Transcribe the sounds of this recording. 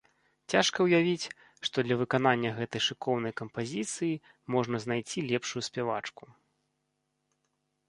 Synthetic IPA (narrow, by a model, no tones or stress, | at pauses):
t͡sʲaʂkɐwjavʲit͡sʲ | ʂt̪ɔd̪lʲɐvɨkan̪anʲːɐɣɛt̪ɐjʂɨkɔwnɐjkɐmpazʲit̪sɨji | mɔʐnɐznajt͡sʲilʲɛpʂujusʲpʲɛva̰t͡ʂku